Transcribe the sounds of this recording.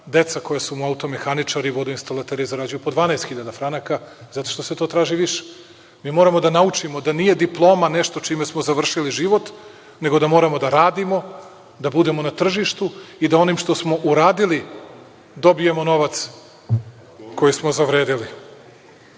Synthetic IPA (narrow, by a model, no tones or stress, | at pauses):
d̪e̞t̪sako̞jasumuaut̪o̞mexanit͡ʂaɾiʋo̞d̪uinst̪alˠat̪eɾiizaɾad͡ʑujupod̪ʋaːnaest̪xiʎad̪afɾanakaz̥at̪o̞̥ʃt̪o̞se̞t̪o̞ːt̪ɾaːʒiʋiʃe̥ | miːmo̞ːɾamo̞d̪anaut͡ʂimod̪anije̞d̪iplˠo̞ːmane̞ʃt̪o̞t͡ʃimesmozaʋr̩ʃiliʒiʋo̞t̪ | ne̞ɡo̞d̪amo̞ːɾamo̞d̪aɾaːd̪imo̞ | d̪abud̪e̞mo̞nat̪r̩ʒiʃt̪uid̪ao̞niːmʃt̪o̞smo̞ʔuɾaːd̪ili | d̪o̞bije̞mo̞no̞ʋat̪s | ko̞jismo̞zaʋɾeːd̪ili